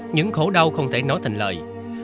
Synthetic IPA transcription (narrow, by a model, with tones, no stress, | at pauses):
ɲɨ̰˧˥ŋxo˧˩ɗa˧wxə˧wŋ͡mt̪ʰe˧˩nɔ˨˦jt̪ʰï˨˩ŋ̟ləː˨˩j